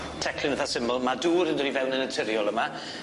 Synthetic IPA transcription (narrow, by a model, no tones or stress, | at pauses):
tʰɛkʰlɪnəθasɪmɔlˠmaduːɾəndɔdivɛwnənətʰɪɾjɔlˠəma